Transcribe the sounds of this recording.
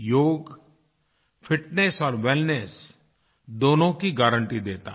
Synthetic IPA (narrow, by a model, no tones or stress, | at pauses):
joːɡ | fʰɪʈnesɔːɾʋɛlnes | d̪oːnõkiɡaːɾə̃ɳʈid̪eːt̪a̰ː